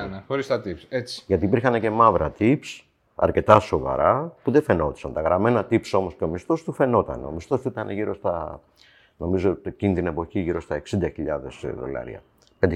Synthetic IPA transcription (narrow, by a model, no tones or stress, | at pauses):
nxoɾist̪ɐt̪ipset͡si̥ʝɐt̪ipiɾxɐne̞ce̞mɐvɾɐt̪ips | ɐ̰ɾce̞t̪ɐso̞vɐ̰ɾɐpuðefe̞no̞t̪i̥sɐnt̪ɐɣɾɐme̞nɐt̪ipso̞mo̞sceo̞mist̪o̞st̪ufe̞no̞t̪ɐ̰nḛo̞̰mist̪o̞sit̪ɐneʝiɾo̞st̪ɐ | no̞mizo̞t̪cinit̪ine̞po̞çiʝiɾo̞st̪ɐeksind̪ɐçiʎɐðe̞sðo̞̰lɐ̰ɾḭɐ̰ | ped̪